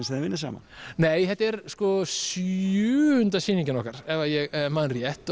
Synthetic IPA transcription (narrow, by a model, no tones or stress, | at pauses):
nsiðavɪnːɪsa̰ːma̰ | neːjhɛt̪ɛɾskɔsʏːʏnt̪asiːniɲcɪnɔkaɾ̥ɛvajɛɣmaːðnrjɛht̪